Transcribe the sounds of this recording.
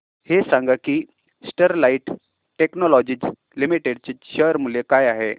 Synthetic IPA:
hesãŋɡakiː | sʈəɾlaiʈ | ʈeknɔlɔd͡ʑid͡z | limiʈeɽ̚t͡ɕeɕəɾmulekaːjaɦe

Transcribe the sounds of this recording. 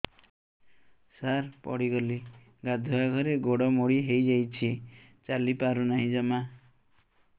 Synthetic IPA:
saɾpɔ̰ɽiɡɔli | ɡad̪ʱuaɡʱɔɾeɡoɽɔmoɽiɦejd͡ʒajt͡ʃʰi | t͡ʃalipaɾunaɦĩd͡ʒɔma

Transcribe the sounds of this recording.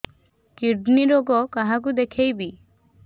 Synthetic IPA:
kiɾɖniɾoɡɔkaɦak̬ud̪ekʰejbi

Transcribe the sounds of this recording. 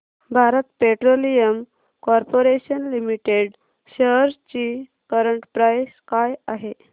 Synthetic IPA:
bʱaɾət̪peʈɾolijəm | kɔɾpoɾeɕənlimiʈeɽ | ɕəɦəɾt͡ɕi | kəɾəɳʈpɾajskajaɦe

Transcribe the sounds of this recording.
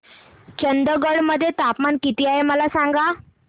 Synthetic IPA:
t͡ɕənd̪əɡəɽməd̪ʱːjet̪apmankit̪iaɦeməlasaŋɡa

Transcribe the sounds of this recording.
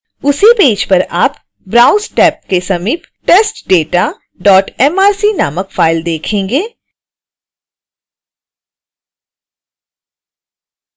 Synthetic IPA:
ʊsipeːd͡ʒpɐɾaːp | bɾãːʊsʈɛːp̚kesɐmiːp | ʈeːsʈɖeːʈa | ɖɔːʈɛmaːɾsinaːməkfʰaːɪld̪eːkʰẽːŋɡeː

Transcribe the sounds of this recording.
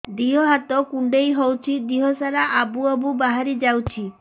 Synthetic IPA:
d̪iɦɔɦat̪ɔkuɳɖejɦɔwt͡ʃʰid̪iɦɔsaɾaʔabuɔbubaɦaɾid͡ʒawt͡ʃʰi

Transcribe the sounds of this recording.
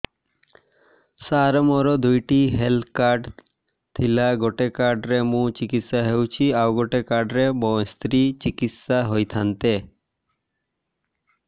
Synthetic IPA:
saɾmɔɾod̪ujʈiɦelkaɾɖ | t̪ʰilaɡoʈekaɾɖɾemũt͡ɕikit̪saɦewt͡ɕʰiawɡoʈekaɾɖɾebɔst̪ɾit͡ɕikit̪saɦojt̪ʰant̪e

